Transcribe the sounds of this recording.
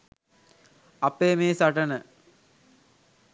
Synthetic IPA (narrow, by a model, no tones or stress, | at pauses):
ɐpːeːmeːsɐʈɐnə